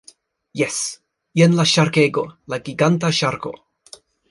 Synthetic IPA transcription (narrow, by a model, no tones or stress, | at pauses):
jes | jenlaʃaɾkeɡo̞laɡiɡantaʃaɾko̞̰